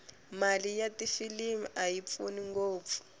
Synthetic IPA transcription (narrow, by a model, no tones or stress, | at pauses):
malijatifilimiajip̪funiŋɡoːp̪fu̥